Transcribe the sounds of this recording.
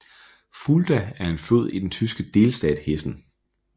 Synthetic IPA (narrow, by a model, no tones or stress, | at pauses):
fuld̥ææɐe̝nføð̞̰ˠid̥ent͡sʰysɡ̥əd̥e̝ːlsd̥ɛ̰ːd̥hesn̩